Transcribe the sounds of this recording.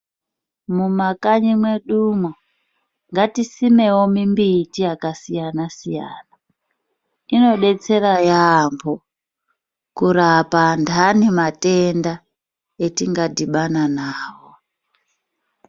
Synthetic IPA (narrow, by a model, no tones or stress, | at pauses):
mumakaɲimwe̞ɗumo | ŋɡatisime̞wo̞mimbitijakasijanasijaːna | ino̞ɗe̞t͡se̞rajambo̞ | kuɾapandanemate̞nda | etiŋɡadiɓananaːwo